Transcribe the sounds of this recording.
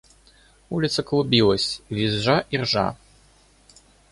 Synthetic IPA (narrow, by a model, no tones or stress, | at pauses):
ulʲit̪sɐklˠubʲilˠɐsʲvʲizʐaʔirʐa̰